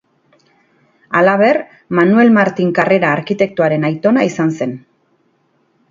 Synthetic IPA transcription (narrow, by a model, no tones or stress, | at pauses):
alaβ̞e̞r | manue̞lmaɾt̪iŋkare̞ɾaːɾkit̪e̞k̚t̪uaɾe̞najt̪o̞naisanse̞n